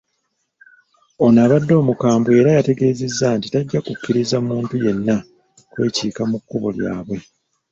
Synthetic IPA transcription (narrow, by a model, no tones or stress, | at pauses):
o̞naːβadːo̞ːmukaːmbue̞ːɾajate̞ɡe̞ːze̞zːaːntitaɟːakukʲːiɾizamuːntuje̞nːa | kwe̞ːciːkamukːuβo̞̰lja̰ːβwe̞